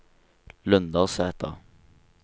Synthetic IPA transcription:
lœnd̪ɑːsæːt̪ɑ̰

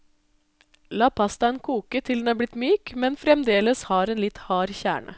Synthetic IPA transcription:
lɑːpʰɑst̪ɑeːnkʰuːkət̪ʰɪld̪nɑːblɪt̪myːkmɛnfɾɛmd̪eːləshɑːɾeːnlɪt̪hɑːɾçæ̰ːɳə̰

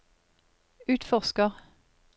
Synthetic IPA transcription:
ʉːt̪fɔʁskəʁ

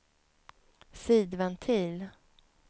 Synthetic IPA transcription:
siːd̪vɛnt̪ʰiːl

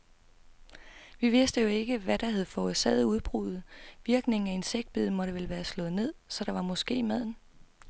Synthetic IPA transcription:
ʋiʋe̝sd̥əjo̝e̝ɡ̥əʋæɾ̥ɑ̈hæð̞ˠfɒsɛð̩ˠuð̞ˠb̥ʁuð̩ˠʋiɐɡ̥ne̝ŋn̩æe̝nseɡ̥̚d̥̚b̥ið̰ˠmɒ̽ɾ̥əʋeləʋæːɐslɔ̽ːð̞̩ˠne̝ð̞̰ˠsɒ̽d̥ɑ̈ʋɑ̈mɒ̽sɡ̥e̝̰ːmæð̰ˠn̩

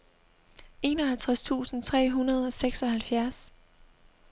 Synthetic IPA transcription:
e̝ːnɒ̽ɦælt͡sʰʁast͡sʰṵːsn̩t͡sʰʁɛ̰ːɦunɐð̞̩ˠɒ̽seɡ̥sɒ̽hælfjæɐs

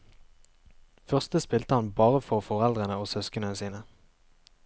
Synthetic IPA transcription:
fœʁst̪əspɪlt̪əhɑnbɑːʁəfɔʁfɔʁɛld̪ʁənəoːsœskənəsiːnə

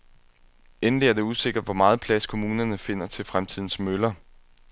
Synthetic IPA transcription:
enliæɐd̥e̝use̝ɡ̥ɐd̥ʋɒmɑ̈ːð̞̩ˠpʰlæskʰo̝muːnɐnəfe̝n̰ɐt͡sʰe̝lfʁamt͡sʰið̞̰ˠn̩smølɐ

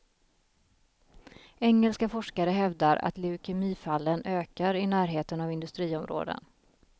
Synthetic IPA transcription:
ɛŋːɛlskafɔʂkaɾəɦɛvd̪aɾʔa̰t̪lɛʊkʰɪmiːfalːənøːkaɾɪnæːɾɦeːt̪ənavɪnd̪ɵst̪ɾiːɔmɾo̰ːd̪ə̰n

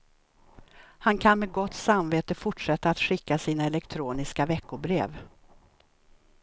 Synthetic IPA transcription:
hankʰanmɛɡɔt̪ːsamveːt̪əfʊʈʂɛt̪ːaːt̪ɧɪkːasiːnaɛlɛkt̪ʰɾuːnɪskavɛkːʊbɾḛːv

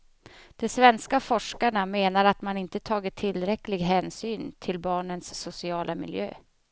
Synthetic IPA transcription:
d̪̥ɔsvɛnskafɔʂkaɳameːnaɾat̪manɪnt̪ət̪ʰɑːɡət̪ʰːɪlːɾɛklɪɡɦɛːnsyːnt̪ʰɪlbɑːɳənsːʊsɪɑːlʔamɪ̰ljø̰ː

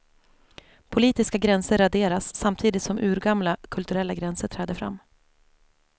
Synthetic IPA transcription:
pʰʊliːt̪ɪskaɡɾɛnsəɾad̪eːɾasːamt̪ʰiːd̪ɪt̪sɔmʔʉ̟ːɾɡamlakʰɵlt̪ɵɾɛlːaɡɾɛnsəʈʰɾɛːd̪əfɾa̰mː

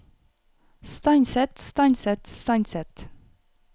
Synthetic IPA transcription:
st̪ɑɪnsɛt̪st̪ɑɪnsɛt̪st̪ɑɪnsɛt̪

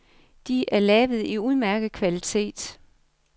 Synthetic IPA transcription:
d̥iæɐlɛːʋð̞̩ˠiuð̞ˠmæɐɡ̥ð̩ˠkʰʋælit͡sʰe̝̰ːd̥

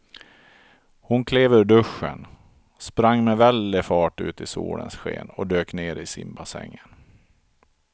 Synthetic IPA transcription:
hʊnkʰleːvɵɾɖɵʂːən | spɾaŋːmɛvɛld̪ɪfɑːʈʉ̟ːt̪ɪsuːlə̰nsɧḛːnɔd̪øːkneːɾɪsɪmbasɛ̰ŋːən

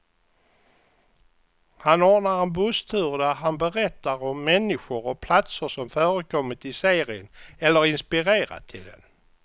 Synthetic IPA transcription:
hanɔːnaɾɛnbɵst̪ʰʉːɾd̪æɦanbɛɾɛt̪ːaɾɔmːɛnːɪɧʊɾɔpʰlat̪səʂɔmfœːɾəkʰɔmːɪt̪ɪseːɾɪənɛlːəɾɪnspɪɾeːɾa̰t̪ʰɪld̪ɛ̰n

